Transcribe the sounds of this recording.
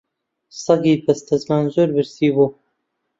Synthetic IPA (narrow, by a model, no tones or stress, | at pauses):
sɑɡiːpɐst̪ɐzmaːnzoɾbɨɾsiːbuː